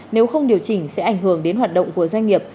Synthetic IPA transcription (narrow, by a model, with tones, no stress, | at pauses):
ne˨˦wxə˧wŋ͡mɗi˨˩əwt͡ɕï˧˩ŋ̟sɛ̰˧˥ʔa˧˩jŋ̟ɦɨ˧˩əŋɗe˨˦nhwaː˨˩t̚ɗə̰˧˨wŋ͡mku˧˩əzwa˧jŋ̟ŋi˨˩əp̚